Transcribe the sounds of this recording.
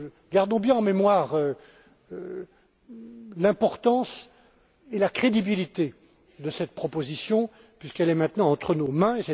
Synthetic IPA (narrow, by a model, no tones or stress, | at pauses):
ɡaʁd̪ɔ̃bjɛ̃ɑ̃memwaːʁø | lɛ̃pɔʁt̪ɑ̃s | elakχed̪ibilit̪e | d̪əsɛt̪̚pχɔpozisjɔ̃ | pɥiskɛlɛmɛ̃t̪nɑ̃ɑ̃t̪χənomɛ̃esɛ